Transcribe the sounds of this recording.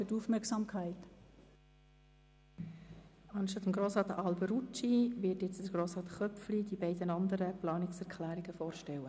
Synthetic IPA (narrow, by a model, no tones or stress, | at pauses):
fytufmɛksɑmkʰæɪt̪ | ɑnʃtɑt̪əmɡɾoːsʁɑːt̪ɑlbəɾut͡ʃiʋɪːtjɛt͡səɾɡ̥ɾoːsʁɑːt̪χœflid̪ibɛɪdənɑnd̪əɾəplɑːnɪksɛɾkʰlæːɾiɡəfɔːɾʃtɛwə